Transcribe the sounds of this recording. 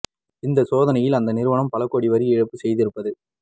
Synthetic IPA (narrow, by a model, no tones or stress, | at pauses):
ɪnd̪ɐsoːðɐnɐjɪlɐnd̪ɐnɪɾɯʋɐɳɐmpɐlɐkːoːɽiʋɐɾiɪɻɐpːɯsɛjðɪɾɯpːɐðɯ